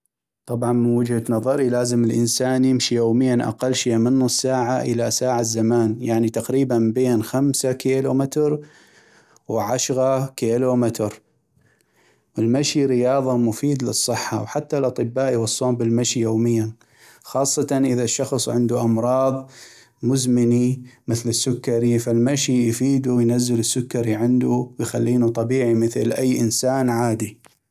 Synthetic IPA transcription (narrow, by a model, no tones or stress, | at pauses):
t̪ˤɑbʕɑnmɪnwad͡ʒhanɑðˤɑɾilaːzəmɪlʔɪnsaːnjɪmʃijoːmɪjːanʔa̰qalːʃɪjamɪnːusːaːʕaʔɪ̰lasaːʕazːamaːnjaʕnit̪aqɾiːbanbeːnxamsakeːlumɪt̪ɾ | wʕaʃɾakeːlumɪt̪ɾ | wəlmaʃiɾɪjɑːðˤɑmʊfiːd̪lɨsˤːɨħːa̰wħat̪ːalʔɑt̪ˤɨbːaːʔjwɑsˤːoːmbɪlmaʃijoːmɪjːan | xɑːsˤːɑt̪ɑnʔəðaʃːɑxsˤʕɪnd̪uʔɑmɾˤɑːðˤ | mʊzmɪnimɪθlɪsːʊkːaɾifalmaʃijfiːd̪uwjnazːɪlɪsːʊkːɑɾiʕɪnd̪uwjxalːiːnut̪ˤɑbiːʕimɪθlʔajːʔɪnsaːnʕaːd̪i